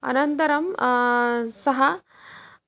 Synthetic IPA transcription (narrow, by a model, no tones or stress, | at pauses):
ɐ̰nɐnt̪ɐɾɐm | sɐɦɐ